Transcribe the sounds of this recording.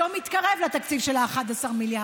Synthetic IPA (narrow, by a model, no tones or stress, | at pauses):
omit̪kaʁevlat̪akt͡sivʃelaːχad̪asaʁmilja